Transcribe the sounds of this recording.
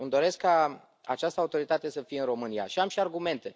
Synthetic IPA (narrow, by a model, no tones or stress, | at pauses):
ɨmd̪o̞ɾe̞skːa | a̰t͡ʃast̪əaut̪o̞ɾit̪at̪e̞səfijeɨnɾo̞mɨnija̰ʃiamʃiarɡume̞nt̪e̞